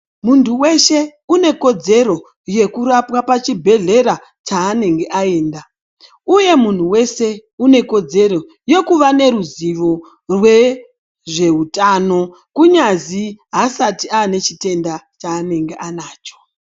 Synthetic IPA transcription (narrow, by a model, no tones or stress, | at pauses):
muntʰuwe̞ʃe̞une̞ko̞d͡ze̞ro̞ | je̞kuɾapwapat͡ʃibʱe̞ɮe̞ɾa | t͡ʃaːne̞ŋɡe̞ʔae̞ːnda | uje̞mun̤uwe̞se̞une̞ko̞d͡ze̞ɾo̞ | je̞kuʋane̞ɾuziʋo̞ | rwe̞ | ʐe̞ɦutano̞ | kuɲaziɦasatiaːne̞t͡ʃite̞ndat͡ʃaːne̞ŋɡeʔanaːt͡ʃo̥